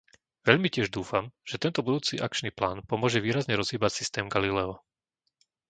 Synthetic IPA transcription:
ʋɛʎmicɪɛʒd̪uːfamʒ̥ɛt̪ɛnt̪ɔbud̪uːt͡siːʔak̚t͡ʃniːplaːnpɔmʊɔʒɛʋiːɾazɲɛɾɔzɦiːbacsist̪ɛːmɡalilɛɔ

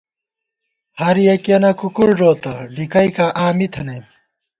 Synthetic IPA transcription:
hɐɾijɐkɐnɐkukuɭʐoːt̪ɐɖikɐikaʔaːmit̪ʰɐnɐj

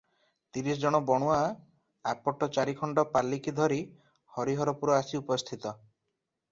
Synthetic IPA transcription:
t̪iɾisɔd͡ʒɔɽ̃ɔbɔɽ̃ua | apɔʈɔt͡ʃaɾikʰɔɳɖɔpalːikid̪ʱɔɾi | hɔɾiɦɔɾɔpuɾɔasiupɔst̪ʰit̪ɔ

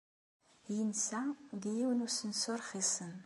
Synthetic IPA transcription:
jɪnsaɡijiwnusɨnsorχisɨn

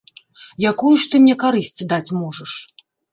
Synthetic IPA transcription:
jakujuʂt̪ɨmnʲɛkaɾɨsʲt͡sʲid̪at͡sʲmɔʐɐʂ

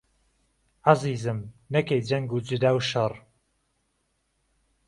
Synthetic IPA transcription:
aziːzɨmnɐkejd͡ʒɐŋɡud͡ʒɨd̪aːwʃɐrˤ

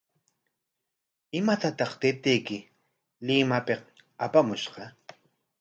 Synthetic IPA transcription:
ɪmat̪at̪ɑχt̪ɪp̚t̪ɪjkɪ | lɪmapeq | apamʊʃɢɑ

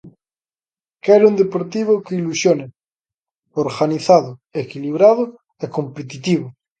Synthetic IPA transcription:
keɾund̪epoɾt̪iβ̞okeilusjone | oɾɣaniθaðoekiliβ̞ɾað̞o | eko̞mpet̪it̪iβ̞o

